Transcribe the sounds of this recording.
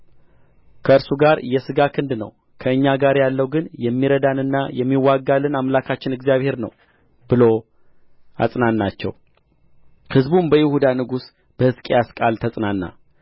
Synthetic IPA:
kʰəɨɾsuɡaɾjɛsɨɡakʰɨnd̪nə̰w | kʰəɨɲːaɡaɾjalːəwɡɨnjɛmːiɾəd̪anɨnːa̰jɛmːiwːaɡːalɨnamlakʰat͡ʃːɪnɨɡzijaβhe̞ɾnə̰w | bɨlo̞ | a̰sʼnanːat͡ʃːɛ̰w | hɨzbumbəjɪhud̪anɨɡus | b̥əhɨskʼejaskʼalt̪ʰəsʼnanːa̰

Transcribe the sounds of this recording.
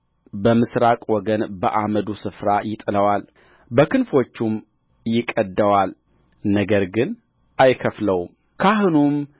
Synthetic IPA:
bəmɨsɾakʼwɔɡənbəʔaməd̪usɨfɾajɪt̪ʼɨləwal | bəkɨnfo̞t͡ʃːum | jɪkʼəd̪ːəwal | nəɡəɾɡɨn | ʔajkʰəfləwm | kʰaɦɨnum

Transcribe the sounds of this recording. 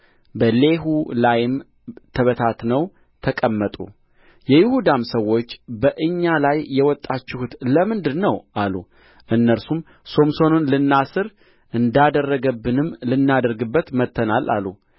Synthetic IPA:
bəle̞ɦulajɪm | t̪ʰəβət̪ʰat̪nəw | t̪ʰəkʼəmːət̪ʼṵ | jɛjɪhud̪amsəwːo̞t͡ʃːbəʔɨɲːalajːɛwɔt̪ʼːat͡ʃːɪhut̪ləmɨnd̪ɨɾnəwʔalu | ʔɨnːəɾsum | so̞mso̞nunlɨnːasɨɾ | ʔɨnd̪ad̪ərːəɡəbːɨnɨmːlɨnːad̪əɾɡɨbːət̪mət̪ʰːənalʔa̰lu

